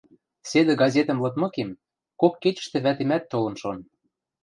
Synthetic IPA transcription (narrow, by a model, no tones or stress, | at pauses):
sed̪ĕɡɑzʲet̪ə̆mlɤ̆t̪mɤ̆kem | kokːet͡ɕə̥̆ʃt̪ĕβæt̪emæt̪ːolɤ̆nʃon